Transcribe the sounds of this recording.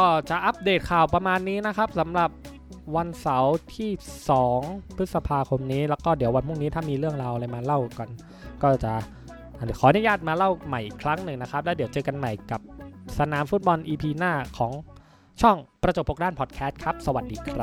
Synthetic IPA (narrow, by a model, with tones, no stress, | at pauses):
kɔː˥˩t͡ɕa˨˩ʔa˦˥p̚deː˨˩t̪̚kʰaː˨˩wpɾa˧maː˧nːiː˦˥na˦˥kʰa˦˥p̚sa˩˦mɾa˨˩p̚ | wa˧nsa˩˦wt̪ʰiː˥˩sɔː˩˦ŋpʰɯ˦˥t̪̚sa˧pʰaː˧kʰo˧mniː˦˥lɛː˦˥wkɔː˥˩di˩˦əwa˧npʰu˥˩ŋniː˦˥t̪ʰaː˥˩miː˧ɾɯ˥˩əŋɾaː˧wʔlaː˧jmaː˧la˥˩wka˨˩n | kɔː˥˩t͡ɕa˨˩ʔ | ʔa˨˩xɔː˩˦nɯ˥jaː˥˩t̪̚maː˧la˥˩wma˨˩jʔi˨˩kʰɾa˦˥ŋnɯ˨˩ŋna˦˥kʰɾa˦˥p̚lɛ˦˥di˩˦wt͡ɕɤː˧ka˧nma˨˩jka˨˩p̚sa˧naː˩˦mfu˦˥t̪̚bɔ˧nʔiː˧pʰiː˧naː˥˩kʰɔː˩˦ŋ | t͡ɕʰɔ˥˩ŋpɾa˧t͡ɕo˨˩p̚ʰːo˨˩daː˥˩npʰɔː˨˩t̪̚kʰɛː˦˥st̪̚kʰɾa˦˥p̚sa˧wa˨˩t̪̚diː˧kʰɾa˦˥